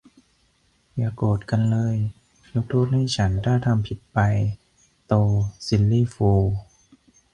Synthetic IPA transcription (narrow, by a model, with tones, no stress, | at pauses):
jaː˧˩koː˨˩t̪̚ka˧nlɤː˧j | jo˦˥k̚t̪ʰuː˥˩k̚haː˥˩t͡ɕʰa˦˥ndaː˥˩ŋt̪ʰa˧mpʰi˨˩t̪̚pa˧j | t̪oː˧si˧˥lliː˥˩foː˧